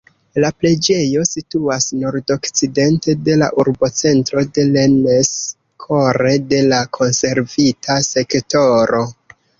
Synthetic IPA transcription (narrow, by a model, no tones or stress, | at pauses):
laple̞d͡ʒe̞jo̞situasno̞ɾdo̞kt͡side̞nte̞de̞la̰ʔuɾbo̞t͡se̞ntɾo̞de̞lenes | kʰo̞ɾe̞de̞lakʰo̞nse̞ɾvitʰase̞kto̞ɾo̞